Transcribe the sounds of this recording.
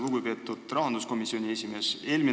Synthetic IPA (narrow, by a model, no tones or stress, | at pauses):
luɡupe̞ːt̪ːˑud̪̥rɑɦɑnd̪usko̞misːio̞nʲie̞sʲime̞se̞ːlmi